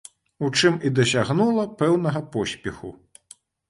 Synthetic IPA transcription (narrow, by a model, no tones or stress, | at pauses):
ut͡ʂɨmid̪ɐsʲaɣnulˠɐpɛwnɐɣɐpɔsʲpʲɛxṵ